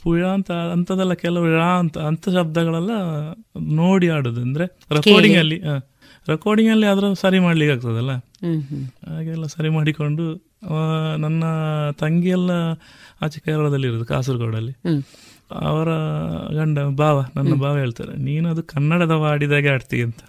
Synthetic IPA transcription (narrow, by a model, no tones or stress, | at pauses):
pujaːɐnt̪ɐɐnt̪ɐd̪ɛlːɐkɛlɐʋuɭant̪ɐːnt̪ʰɐʃɐb̚d̪ɐɡɐɭɛlːɐ | no̞ːɽiaːɽod̪uɐnd̪ɐɾe | ɾekoɾɖiŋɡɐlːiɦaː | ɾekoːɾɖiŋɡɐlːiad̪ɐɾɐsɐɾimaːɽɐlikːaːɡut̪ɐd̪ɐlːɐ | aːɡɛlːɐsɐɾimaːɽiko̞ɳɖu | ɐnɐnːɐt̪ɐŋɡijɛlːɐaːt͡ʃikɐjɾɐlɐd̪ɐlːiɾoːd̪uka̰ːs̬uɾɡoːɽɐlːi | ɐ̰ʋɐɾɐɡɐɳɖɐbaːʋɐnɐnːɐbaːʋɐɦe̞ːɭt̪a̰ːd̪ḛniːnuɐd̪ukɐnːɐɽɐd̪ɐʋaːɽid̪aːɡeaːɖt̪iiɐnt̪ɐ̥